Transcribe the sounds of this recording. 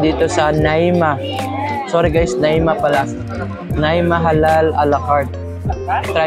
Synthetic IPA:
d̪iːt̪osɐnajma | soɾɪɡajsnaimapɐla | najmaɦalalalɐkaɹt̪̚ | t̪ɾa

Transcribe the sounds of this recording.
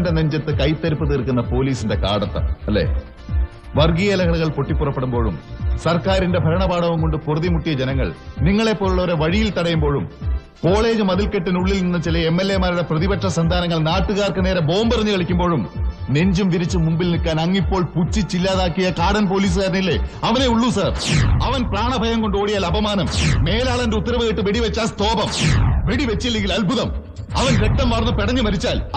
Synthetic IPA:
ndeneɲd͡ʑɐt̪ːɨkɐjt̪ːɐɾupːɨðiːrkunːɐpo̞ːliːsinde̞ka̰ːɽɐt̪ːɐ̰ɐlːḛː | ʋɐrɡijɐlɐɣɐɭuɣɐɭpo̞ʈːipːurɐpːeɽumbo̞ːɻṵmsɐrkaːɾinde̞bʱɐɾɐɳɐbaːɽɐʋumko̞ɳɖɨpurɐðimuʈːijɐd͡ʑenɐŋːɐ̰ɭniŋːɐɭepːo̞ːluɭːɐʋɐɾeʋɐɻijilt̪ɐɽɐjumbo̞ːɻum | ko̞ːɭe̞ːd͡ʑɨmɐðilkeʈːɨnuɭːilninːɐt͡ɕilɐemːe̞lːemaːɾuɽe̞prɐðibɐʈʂɐsɐnd̪ʱaːnɐŋːɐɭnaːʈːuɣaːrkɨneːɾe̞bo̞ːmbɐrɐɲːuɣɐɭikʲːumbo̞ːɻumne̞ɲd͡ʑumʋ̪iɾit͡ɕːumːumbilnikːaːnɐŋːipːo̞ːɭput͡ɕːit͡ɕilːaːðaːkːijɐkaːɽɐnp̬o̞ːliːs̬ɨɣaːɾɐnilːḛɐʋɐne̞uɭːusaːrɐʋɐnpraːɳɐbʱɐjɐŋko̞ɳɖoːɽijaːlɐbʱɐmaːnɐmːe̞ːlaːɭɐndeut̪ːɐɾɐʋɨɣeʈːɨʋeɽiʋet͡ɕːaːst̪o̞ːbɐmʋeɽiʋet͡ɕːilːeŋɡilɐlbʱuðɐm | ɐʋɐnɾek̚t̪ɐmʋɐrnːɨpeɽɐɲːɨmɐɾit͡ɕːaːl

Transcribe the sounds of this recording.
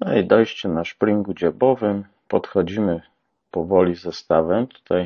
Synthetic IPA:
nɔid̪ɔjɕt͡ɕɛnaʂpɾiŋɡud͡ʑɛbɔvɘm | pɔt̪xɔd͡ʑimɘ | pɔvɔlʲizɛst̪avɛmt̪u̥t̪aj

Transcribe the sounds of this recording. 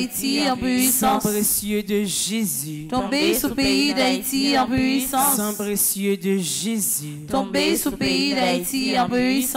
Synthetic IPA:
it̪iɑ̃pisɑ̃esjød̪əʒezyt̪ɔ̃besupeid̪ait̪iɑ̃pisɑ̃sɛ̃pʁesjød̪əʒezyt̪ɔ̃besupeid̪ait̪iɑ̃pyis

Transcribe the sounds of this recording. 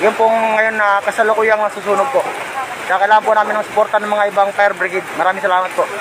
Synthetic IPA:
jʊnpʊʔŋːɐjo̞nːɐkɐsalokʊjɐŋnɐsuːsuːnoɡ̚poʔ | t͡ʃaakɐɪlaːɐmpʊnaːmɪnːɐŋsʊ̥poɾt̪ɐnɐŋmɐŋaʔɪbaŋpajɛɾbɾɪɡɪd̪̚mɐɾaːmɪŋsɐlaːmɐt̪̚poʔ

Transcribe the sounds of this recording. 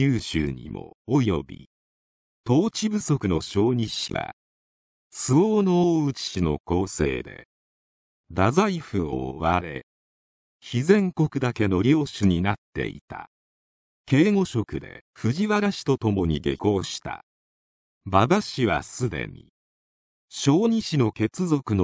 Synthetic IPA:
jɨːɕɨ̰ːɲ̟ḭmʔo̞̰ojo̞bʲḭ | t̪o̞ːt͡ɕibɯ̟so̞kɯ̟no̞ɕo̞ːɲ̟iɕḭβa̰ | sɨoːnooːɯ̟t͡ɕi̥ɕino̞̰ko̞ːse̞̰ːd̪e̞̰ | d̪azaiɸɯ̟o̰ːβaɾe̞̰ | çizẽ̞ŋko̞kɯ̟d̪ake̞no̞ɾʲo̞ːɕɨɲ̟inat̪ːe̞̰ḭt̪a̰ | ke̞ːŋo̞ɕo̞kɯ̟d̪e̞̰ɸɯ̟ʑiβaɡaɕi̥t̪o̞t̪o̞mo̞ɲ̟ḭɡḛko̞ːɕi̥t̪a̰ | baɡaɕiβa̰sɨd̪e̞̰ɲ̟ḭ | ɕo̞ːɲ̟iɕino̞ke̞t͡sɨzo̞kɯ̟no

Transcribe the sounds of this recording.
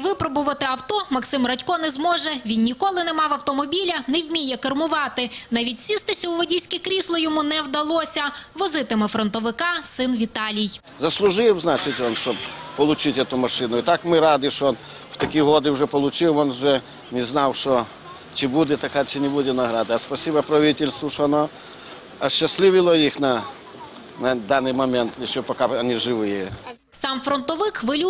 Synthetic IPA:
ʋɪpɾɔbʊʋɐt̪ɪɐwt̪ɔmɐksɪmrɐtʲkɔnɛzmɔʒɛʋʲinnʲikɔlˠɪnɛmɑʋɐwt̪ɔmɔbʲilʲɐnɛwmʲijɛkɐrmʊʋɑt̪ɪnɑʋʲitʲsʲist̪ɪsʲɐʊʋɔdʲisʲkʲɪkɾʲislˠɔjɔmunɛwd̪ɐlˠɔsʲɐʋɔzɪt̪ɪmɪfɾɔnt̪ɔʋɪkɑsɪnʋʲit̪ɑlʲij | zɐslˠʊʒɪwznɑt͡ʃɪtʲɔnʃɔbpɔlˠʊt͡ʃɪtʲɛt̪ʊmɐʃɪnʊit̪ɑkmɪɾɑd̪ɪʃɔɔn | w̥t̪ɐkʲiɦɔd̪ɪʊʐɛpɔlˠʊt͡ʃɪwɔnʊʒɛ | nʲɪznɑwʃɔ | t͡ʃɪbudʲɛt̪ɐkat͡ʃɪnʲɪbudʲɛnɐɦɾad̪ɐɐspɐsʲibɐpɾɐʋʲitʲɪlʲst̪ʋʊʃɔɐnɔ | ɐʃːɐsʲlʲˠɪʋʲɪlˠɔjixnɐ | nɐd̪anːɨjmɐmʲɛnt̪ɪʃːɔpɐkaɐnʲiʐɪʋɪje | sɑmfɾɔnt̪ɔʋɪxʋɪlʲu

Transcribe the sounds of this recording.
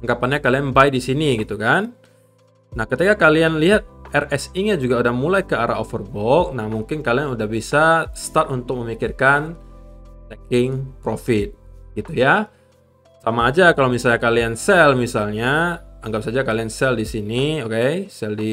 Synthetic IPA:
aŋɡapanɲakalianbaidisiniɡit̪ukan | nahkət̪ikakalianliɦat̪̚ɛrɛsiɲad͡ʒuɡaudahmulajkəaɾa̰ofərbɔk̚nahmuŋkɪnkalianudahbisast̪at̪unt̪ʊk̚məmikɪrkan | t̪ɛkɪŋpɾofɪt̪̚ɡit̪uja | samaːd͡ʒakalowmisalɲakaliansɛlmisalɲaaŋɡap̚sad͡ʒakaliansɛldisiniokejsɛldi

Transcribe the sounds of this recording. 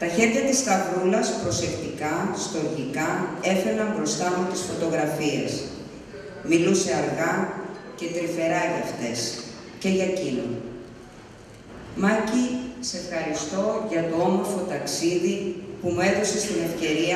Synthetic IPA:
t̪ɐçe̞ɾʝɐt̪ist̪ɐvulɐspɾo̞se̞kt̪ikɐst̪o̞ɾʝikɐe̞fe̞nɐmbɾo̞st̪ɐmut̪isfo̞t̪o̞ɣɾɐfiḛs | miluse̞ɐɾɣɐce̞t̪ɾife̞ɾɐʝɐft̪e̞s | ce̞ʝɐcino | mɐcise̞fxɐɾist̪o̞ʝɐt̪o̞o̞mo̞ɾfot̪ɐksiðipumue̞ðo̞se̞st̪ine̞fce̞ɾiɐ

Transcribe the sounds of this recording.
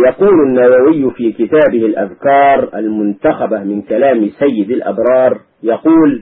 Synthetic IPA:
jɑquːlanːawawɪjːfiːkɪt̪aːbɪhɪlʔa̰ðkɑːɾˤʔalmʊnt̪axabamɪnkalaːmsajːɪd̪alʔa̰bɾˤɑːɾˤ | jɑquːl

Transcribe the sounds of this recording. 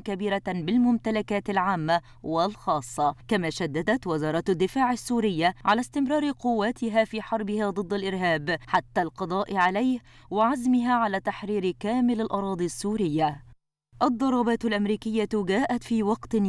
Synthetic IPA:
kabiːɾabɪlmʊmt̪alakaːt̪ɪlʕaːmːa | wɪlxɑːsˤːɑkamaːʃad̪ːad̪at̪wɪzɑːɾˤɑt̪ad̪ːɪfaːʕɪsːuːɾɪjːaʕalast̪ɪmɾɑːɾɪqʊwːaːt̪ɪɦaːfiːħɑɾˤbɪhaːd̪ˤɨd̪ːalʔɪɾɦaːbħat̪ːaːlqɑd̪ˤɑːʔɪʕalajh | wɪʕazmɪɦaːʕalaːt̪aħɾiːɾɪkaːmɪlalʔɑɾˤɑːd̪ˤisːuːɾɪjːa | ʔɑd̪ˤːɑɾˤɑːbɑːt̪ʊlʔamɾiːkɪjːaɡaːʔat̪fiːwɑqt̪ɪ

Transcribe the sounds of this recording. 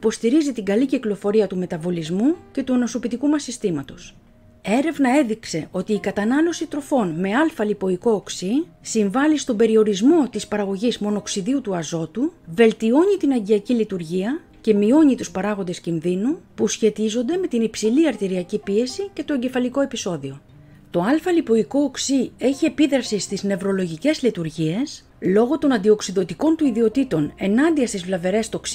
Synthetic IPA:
ipo̞st̪iɾizit̪iŋɡɐliciklo̞fo̞ɾiɐt̪ume̞t̪ɐvo̞lizmuce̞t̪uenoso̞pit̪ikumɐsist̪imɐt̪o̞s | e̞ɾe̞vnɐe̞ðikse̞ʔo̞t̪iːkɐt̪ɐnɐlo̞sit̪ɾo̞fo̞nme̞ɐlfɐlipo̞iko̞ːksisiɱvɐlist̪o̞mbe̞ɾio̞ɾizmo̞t̪ispɐɾɐɣo̞ʝizmo̞no̞ksiðiut̪uɐzo̞t̪uve̞lt̪io̞ɲit̪inɐɲɟiɐcilit̪uɾʝiɐ | ce̞mio̞ɲit̪uspɐɾɐɣo̞nd̪e̞scinðinupusçe̞t̪izo̞nd̪e̞me̞t̪inipsiliɐɾt̪iɾiɐcipie̞sice̞t̪o̞e̞ɲɟe̞fɐliko̞e̞piso̞ðio̞ | t̪o̞ɐlfɐlipo̞iko̞ːksie̞çie̞piðɾɐfsist̪izne̞vɾo̞lo̞ʝice̞zlit̪uɾʝie̞s | lo̞ɣo̞t̪o̞nɐnd̪io̞ksiðo̞t̪iko̞nt̪uiðio̞t̪it̪o̞ne̞nɐnd̪iɐst̪izvlɐve̞ɾe̞st̪oksi

